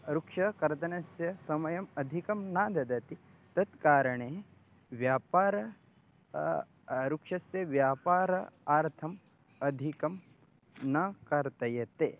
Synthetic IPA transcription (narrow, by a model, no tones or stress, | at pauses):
ɾukʂɐkɐɾt̪ɐnɐsjɐsɐmɐjɐmɐd̪ʱikɐmnaːd̪ɐd̪ɐt̪i | t̪ɐt̪kaːɾɐɳeː | ʋjaːpaːɾɐ | ɾukʂɐsjɐʋjaːpaːɾɐaːɾt̪ʰɐm | ɐd̪ʱikɐm | nɐkɐɾt̪ɐjɐt̪ḛː